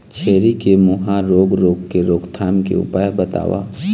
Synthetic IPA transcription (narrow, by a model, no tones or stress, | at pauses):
t͡ʃʰeːɾikemʊɦãɾoːɡɾoːɡkeɾoːɡt̪ʰaːmkḛʊ̰paːjbət̪a̰ːʋa̰ː